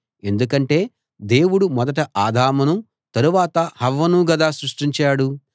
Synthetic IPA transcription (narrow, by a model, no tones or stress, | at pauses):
e̞nd̪uk̬ɐɳʈe̞ː | d̪e̞ːwuɽumɔd̪ɐʈɐʔaːd̪ʱaːmɐnu | t̪ɐɾuʋaːt̪ɐhɐʋːɐnuɡɐd̪aːsɾuʂʈiɲt͡ʃaːɽu